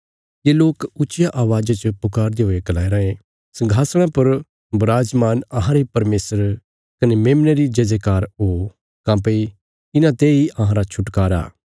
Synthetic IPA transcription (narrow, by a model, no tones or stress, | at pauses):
jeːloːkʊːt͡ʃɪjaʔaːʋaːd͡ʒat͡ʃpʊkaːɾd̪eɦoːeɡɐlaːeɾɐẽ | sɐ̃ŋɡʱaːsɽ̃ãpɐɾ | bʊɾaːd͡ʒmaːnɐɦãɾeipɐɾmeːsəɾ | kɐnemeːmneɾid͡ʒɐd͡ʒekaːɾɦoː | kãːp̬ei | ɪnãt̪eːiʔɐɦãɾat͡ʃʰʊʈkaːɾa̰ː